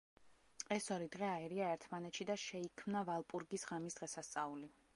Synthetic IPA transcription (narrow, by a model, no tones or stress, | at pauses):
ɛsɔɾid̪ʁɛaɛɾiaɛɾt̪ʰmanɛt̪ʃid̪aʃɛikʰmnavalˠpʼuɾɡisʁamisd̪ʁɛsast̪sʼauli